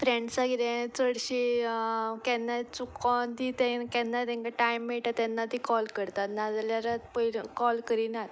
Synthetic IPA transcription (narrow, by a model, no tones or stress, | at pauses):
fɾẽɳɖsaɡiɾẽt͡səɽɕi | kɛ̃nːat͡sukɔ̃t̪it̪ɛ̃kɛnːat̪ɛ̃ŋkaʈajmːiɭʈ̪at̪ɛ̃nːat̪ikɔlkəɾt̪at̪nad͡zljaɾat̪pəlkɔlkəɾinat̪